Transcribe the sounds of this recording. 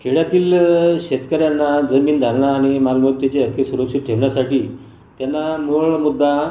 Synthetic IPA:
kʰeɭjat̪iːlɕet̪kəɾjanːad͡zəmiːnd̪ʱəɾɳaːɽ̃imalmət̪ːjat͡ɕeəɾkʰesuɾəkʂit̪̚ʈʰeʋɳjasaʈiː | t̪janːamuɭmud̪ʱːa

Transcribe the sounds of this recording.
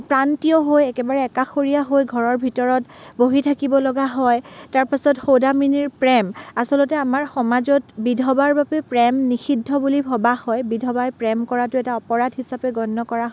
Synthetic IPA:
pɹantiɔɦojɛkɛbaɹɛːkaxoɹijaɦojɡʱɔɹɔɹbʱitɔɹɔtboɦitʰakibɔlɔɡaɦɔjtaɹpasɔtxowdaminiɹpɹɛmasɔlɔtɛamaɹxɔmazɔtbidʱɔbaɹbabɛpɹɛmnixidʱːɔbulibʱɔbahɔjbidʱɔbajpɹɛmkɔɹatʊɛtaɔpɔɹadʱɦisapɛɡɔnːɔkɔɹaɦ

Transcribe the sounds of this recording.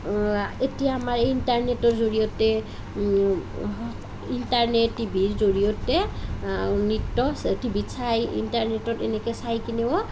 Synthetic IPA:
etijaːmaɹintaɹnetɔtzoɹijɔtɛ | intaɹnetːibʱiɹzoɹijɔtɛ | nitːɔstibʱitsajḭntaɹnetɔtɛnɛkɛsajkinɛɔ

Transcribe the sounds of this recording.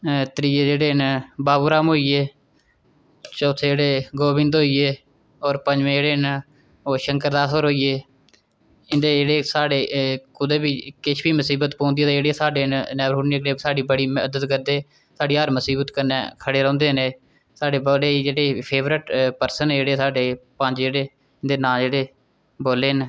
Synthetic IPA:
t̪əɾiːeːd͡ʒeːɽeːnbaːbuːɾaːmɦoːiːeː | t͡ʃoːt̪ʰːeːeːɽeːɡoːbɪ̃nd̪oːiːeː | ɔːɾpəɲd͡ʒʋẽːd͡ʒeːɽeːn | oːʃəŋkəɾd̪aːsoɾɦoːiːeː | ɪnd̪eːeːɽeːsaːɖeːkʊd̪eːbiːkɪʃʰbiːməsiːbət̪põːnd̪ieːt̪eeːɽeːsaːɖeːnnɛːbɾoːniɡɽeːsaːɖiːbəɽiːməd̪ət̪kəɾd̪eː | saːɖiːɦəɾməsiːbət̪kənːɛ̰̃ːkʰəɽeːɾə̃ːnd̪eːneː | saːɖeːboːleːd͡ʒeːɽeːpʰeːʋɾɪʈpəɾsəned͡ʒeːɽeːsaːɖeːpəɲd͡ʒd͡ʒeːɽeː | ɪnd̪eːnaːd͡ʒeːɽeː | boːleːn

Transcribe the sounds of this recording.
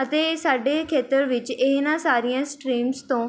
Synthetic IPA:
ət̪eːsaːɖeːkʰeːt̪əɾʋɪt͡ʃeːnãːsaːɾijãːsʈɾiːmst̪õː

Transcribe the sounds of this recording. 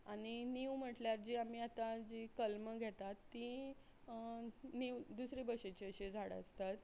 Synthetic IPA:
aɽ̃iniwm̤əʈljaɾd͡ʑiːam̤iːat̪ad͡ʑikəlməɡʱɛt̪at̪ːi | niwd̪usɾebəɕet͡ɕiəɕed͡zʱaɽə̰st̪at̪

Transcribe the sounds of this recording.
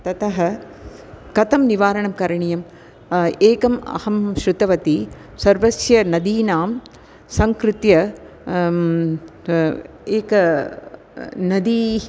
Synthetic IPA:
t̪ɐt̪ɐɦɐ | kɐt̪ɐmniʋaːɾɐɳɐmkɐɾɐɳijɐm | eːkɐmɐ̰hɐmʃɾut̪ɐʋɐt̪i | sɐɾʋɐsjɐnɐd̪iːnaːm | sɐŋkɾɪt̪jɐ | eːkɐ | nɐd̪i

